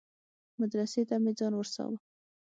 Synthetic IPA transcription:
mad̪ɾaset̪amed͡zɑnwəɾsɑ̰wə

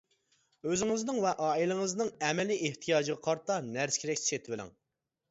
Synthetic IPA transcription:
øzɪŋɨznɨŋvɛʔɑːilɪŋɨznɨŋɛmɛliʔeht̪ʰijɑːd͡ʒɨʁɑqʰɑɾt̪ɑnæɾskʲʰeɾɛkʲsset̪ʰɪvɪlɪ̰ŋ

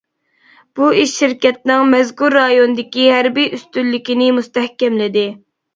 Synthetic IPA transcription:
b̥uiʃːiɾkʲɛt̪̚nɪŋmɛzkuɾːɑjonɨd̪ɪkʲiɦæɾbijʔyst̪ylːɪkʲinɪmust̪ɛhkʲɛmlɪd̪ɪ

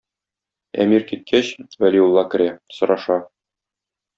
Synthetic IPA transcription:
æ̰miɾkit̪̚kʰæɕwælʲiulˠːɑkɘ̆ɾʲæsŏɾɑʃɑ

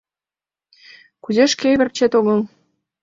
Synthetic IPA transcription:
kuzeʃkejβɘ̆rt͡ɕet̪oɣɤl

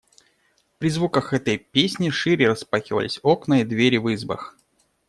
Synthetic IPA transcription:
pɾʲɪzvukəxɛt̪əjpʲesʲnʲɪʂɨɾʲɪrəspaxʲɪvə̰lʲɪ̰sʲoknəid̪vʲeɾʲɪvɨzbə̰x

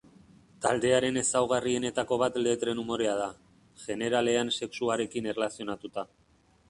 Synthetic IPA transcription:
t̪a̰ld̪e̞aɾe̞ne̞sawɣ̞arie̞ne̞t̪ako̞β̞at̪le̞t̪ɾe̞numo̞ɾe̞að̞a | ʝe̞ne̞ɾale̞anse̞ksuaɾe̞kine̞relasio̞nat̪ut̪a

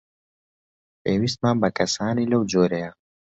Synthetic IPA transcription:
eːwist̪̚maːmbɐkɐsaːnilɐwd͡ʒoːɾeja

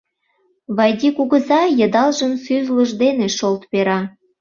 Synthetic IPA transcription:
βɑjd̪ʲikuɣə̆zɑjə̆d̪ɑlʒənsyzləʒd̪eneʃolt̪peɾɑ

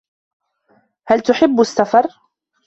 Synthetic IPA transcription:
halt̪ʊħɪbːasːafɑɾˤ

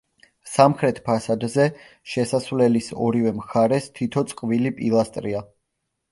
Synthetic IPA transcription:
samχɾɛt̪ʰpʰasad̪zɛ | ʃɛsasvlɛlisɔ̰ɾivɛmχaɾɛst̪ʰit̪ʰɔt̪sʼqʼvilipʼilˠast̪ʼɾia

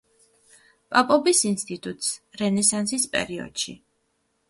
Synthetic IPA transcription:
pʼapʼɔbisinst̪ʼit̪ʼut̪ʼsɾɛnɛsansispʼɛ̰ɾiɔ̰d̪̥ʃḭ

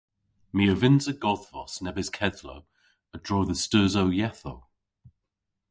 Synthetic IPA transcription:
miəvɪnzəɡɔðvɔ̰snɛbɪz̥kʰɛðlo | ədɹɔːðəstəːzowjɛθow

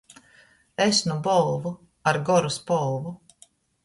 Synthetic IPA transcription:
esnubɔlˠvu | aɾɡɔɾuspɔlˠvu

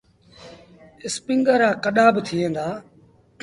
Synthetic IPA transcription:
ɪspɪŋɡəɾaːkəɗaːbt̪ʰiːẽːnd̪aː

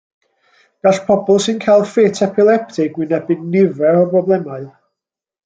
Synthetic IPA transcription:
ɡ̥aɬpʰɔbɔlˠsɨnkʰajlˠfetʰɛpʰɪlˠɛp̚tʰɪɡwɪnɛbɨdnɪvɛɾɔbrɔblˠɛmaɨð

